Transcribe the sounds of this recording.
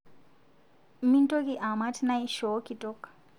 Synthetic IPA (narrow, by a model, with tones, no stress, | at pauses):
mi˦nto˦ki˨ʔa˨ma˦tʰina˦i˦ʃɔ˨˦ki˨tʼɔ˦k